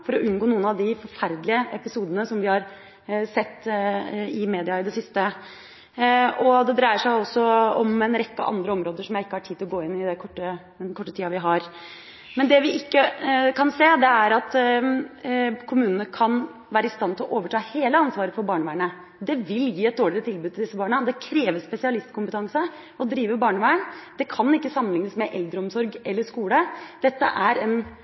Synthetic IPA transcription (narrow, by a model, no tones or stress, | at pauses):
fɔɾɔʔʉnɡoːnuːənɑʋd̪ɪfɔɾfæɾd̪lɪəɛpɪsuːd̪ənəsɔmʋɪhɑɾ | sɛt̪ː | ɪmeːd̪ɪɑɪd̪ɛsɪst̪ə | ɔd̪ɛd̪ɾæɪəʂæɪɔsːɔɔmɛnɾɛkːə̰ʔɑ̰nd̪ɾəɔmɾoːd̪əʂɔmjæɪɪkːəhɑʈʰiːt̪ɪlɔɡoːɪnːɪd̪ɛkʰɔʈːəd̪ɛnkʰɔʈːət̪ʰiːɑʋɪɦɑɾ | mɛnd̪ɛʋɪɪkːəkʰɑnseːd̪ɛæɾɑt̪ | kʰʊmʉːnənəkʰɑn | ʋæːɾəɪst̪ɑnt̪ʰɪlɔʔoːʋəʈʰɑːheːləɑnsʋɑːɾəfɔɾbɑːɳəʋæːɳə | d̪ɛʋɪljiːɛt̪̚d̪oːɭɪɾət̪ʰɪlbʉd̪t̪ʰld̪ɪsːəbɑːɳəd̪ɛkʰɾeːʋəspɛsɪɑlɪst̪kʰʊmpət̪ʰɑŋsə | ɔd̪ɾiːʋəbɑːɳəʋæːəɳd̪ɛkʰɑnːɪkːəsɑmːənlɪŋːəsmɛʔɛld̪ɾəɔmsɔɾɡɛlːəʂkuːləd̪̥ɛt̪ːə̰ʔæɾɛn